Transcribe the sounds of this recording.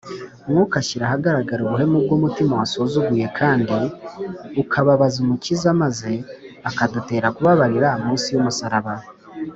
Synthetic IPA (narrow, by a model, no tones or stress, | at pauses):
mŋukaʃiɾaɦaɡaɾaɡaɾuβuɦe̞mub̚ɡomutimawaso̞zuɡuje̞kʰaːndi | ukʰaβaβazumucizamaze̞akadute̞ːɾakuβaβaɾiɾahamuːnsijumusaɾaβa